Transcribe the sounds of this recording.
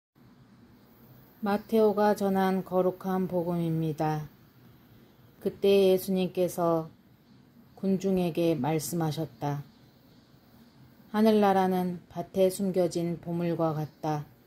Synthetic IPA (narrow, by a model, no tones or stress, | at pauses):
matʰe̞oɡat͡ɕʌnɦankʌɾukʰanpoɡɯmimɲida | kɯt͈e̞je̞sʰuɲimk͈e̞sʰʌ | kund͡ʑuŋe̞ɡe̞maɭs͈ɯmɦaɕʰʌt̚t͈a | hanɯɭːaɾanɯnpatʰe̞sʰumɡjʌd͡ʑinpomuɭɡwakat̚t͈a